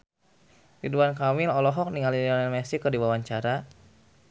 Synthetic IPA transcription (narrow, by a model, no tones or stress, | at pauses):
tiduankamilɔlɔɦɔk̚niŋalidanɛnmɛsikərdiwawaɲt͡ʃaɾa